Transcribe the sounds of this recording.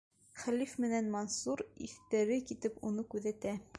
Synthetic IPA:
χælifmɘ̆nænmɑnsuɾḭθt̪æɾɘkit̪ɘpunɤkʉðæt̪æ

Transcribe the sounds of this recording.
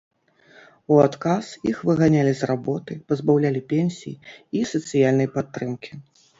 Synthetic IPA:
uat̪kasjixvɨɣanʲalʲizrabɔt̪ɨpɐzbawlʲalʲipʲenʲsʲijiisɐt̪sɨjalʲnɐjpat̪ːɾɨmkʲi

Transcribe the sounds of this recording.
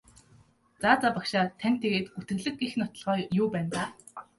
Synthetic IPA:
t͡saːt͡sapakʃaːt̪ʰæn̥t̪ʰːeɣeːt̪ɡut̪ɘ̆ɣɮɘ̆kɡixnʊt̪ɞ̆ɮʁœːjʊːpæːnt̪aː

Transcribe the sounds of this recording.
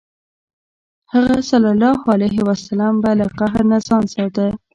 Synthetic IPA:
haɣasalalɑhalajɦɪwasalɑmbalaqaɦɾnazɑnsɑt̪ə

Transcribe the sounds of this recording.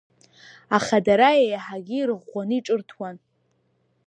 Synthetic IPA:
aχadaɾajajaħaɡʲiiɾɨʁːʷanɨiʈ͡ʂʼɨrtʰwan

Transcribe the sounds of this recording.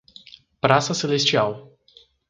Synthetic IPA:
pɾasəselest͡ʃiaw

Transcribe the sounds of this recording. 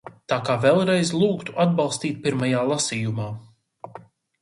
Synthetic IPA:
t̪aːkaːvɛlˠɾɛjzlˠuːkt̪u̥ʔad̪̚balˠst̪iːt̪̚piɾmajaːlˠasiːjumaː

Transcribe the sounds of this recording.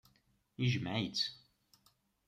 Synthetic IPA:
iʒmʕjət͡s

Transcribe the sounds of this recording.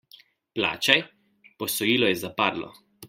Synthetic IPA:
pla̰ːt͡ʃaj | pɔsɔjiːlɔjɛzapaɾlɔ̰

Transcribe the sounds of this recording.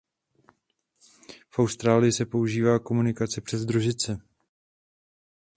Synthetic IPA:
fʔawst̪ɾaːlɪjɪsɛpo̞uʒiːvaːko̞munɪkat͡sɛpr̥ɛzd̪ɾuʒɪt͡sɛ

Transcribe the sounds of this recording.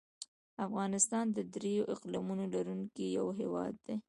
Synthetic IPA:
afɣɑnɪst̪ɑnd̪əd̪ɾejoʔɪqlɑmunolaɾuŋkija̰wɦewɑ̰d̪ːe

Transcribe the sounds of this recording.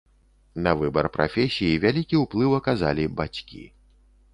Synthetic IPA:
nɐvɨbɐrpɾʔa̰fʲɛsʲijivʲalʲikʲiuplˠɨwɐkazalʲibat͡sʲkʲḭ

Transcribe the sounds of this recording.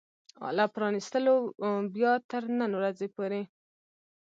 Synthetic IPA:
ɑ̰lɑpɾɑnist̪əlobjɑt̪əɾnənwɾazepoɾe

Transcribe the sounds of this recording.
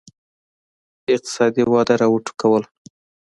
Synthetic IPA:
ɪq̚t̪ɪ̥sɑd̪iwɑd̪aɾɑwəʈu̥kawəl

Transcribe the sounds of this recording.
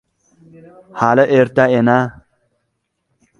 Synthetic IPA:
haləʔeɾt̪aena

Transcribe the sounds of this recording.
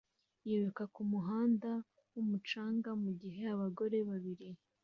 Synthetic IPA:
jeβekakumuɦaːnda | wumut͡ʃaːŋɡamuɟiɦe̞aβaɡo̞ɾe̞βaβiɾi

